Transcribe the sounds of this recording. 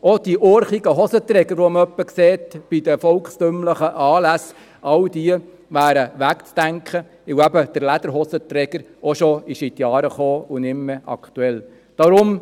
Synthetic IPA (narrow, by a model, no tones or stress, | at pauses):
ɔd̥iʔɔːɾχiɡəɦɔsət̪ɾɛɡəɾʋɔmœpːəkseːtb̥id̥̪əfɔlkstømləχəʔɑːlæs | ʔɑwd̥̪iə | ʋæːɾəʋækt͡sd̥æŋkχə | ɪæbəd̥əɾlæd̪̥əɾɦɔsət̪ɾɛɡ̥əɾ | ɔʃoɪʃɪt̪jɑːɾəχoːʊnɪmːəʔɑ̰kt̪uɛl | d̥ɑɾʊm